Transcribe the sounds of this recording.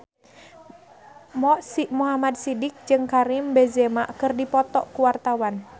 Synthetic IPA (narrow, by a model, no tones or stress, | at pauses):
mɔʔsimuɦamad̪̚sidɪk̚d͡ʒɨŋkaɾimbɛzɛmaʔkɨrdipɔt̪ɔʔkuwart̪awan